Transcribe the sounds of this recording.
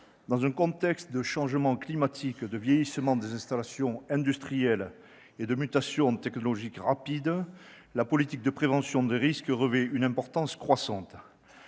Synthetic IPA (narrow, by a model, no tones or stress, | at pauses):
d̪ɑ̃zɛ̃kɔ̃t̪ɛkst̪d̪əʃɑ̃ʒəmɑ̃klimat̪ʰikd̪əvjɛjisəmɑ̃d̪ezɛ̃st̪alasjɔ̃ɛ̃d̪yst̪χijɛl | ed̪əmyt̪asjɔ̃t̪ɛknɔlɔʒikʁapid̪ | lapɔlit̪ik̚d̪əpχevɑ̃sjɔ̃d̪eʁiskəʁəvɛynɛ̃mpɔʁt̪ɑ̃skχwasɑ̃t̪